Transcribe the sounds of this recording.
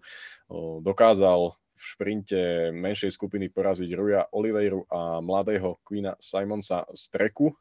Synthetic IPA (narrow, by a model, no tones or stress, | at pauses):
d̪ɔkaːzal | fʃpɾiɲcɛmɛnʃɛjskupinipɔɾaziɟɾujaʔɔliʋɛjɾuʔamlad̪ɛːɦɔkʋinasajmɔnsa̰st̪ɾɛku